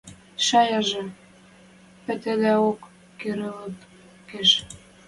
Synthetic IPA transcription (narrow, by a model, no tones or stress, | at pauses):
ʃɑjɑʒĕ | pɘ̆t̪ĕd̪æokː | eɾĕlɤ̆t̪ | keʃ